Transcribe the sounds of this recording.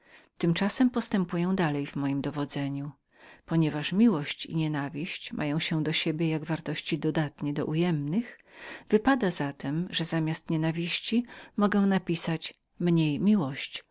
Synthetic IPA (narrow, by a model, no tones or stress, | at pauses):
t̪ɘmt͡ʂasɛmpɔst̪ɛmpujɛw̃d̪alɛjvmɔjimd̪ɔvɔd̪zɛɲu | pɔɲɛvaʂmʲiwɔɕt͡ɕḭɲɛnavʲiɕt͡ɕmʔa̰jɔ̃w̃ɕɛd̪ɔɕebʲjɛjaɡvaɾt̪ɔɕt͡ɕid̪ɔd̪at̪ɲɛd̪ɔ̰ʔujɛmnɘxv̥ɘpad̪azat̪ʰɛmʐɛzamʲjast̪ɲɛnavʲiɕt͡ɕimɔɡɛ̃w̃napʲisat͡ɕ | mɲejmʲiwɔɕt͡ɕ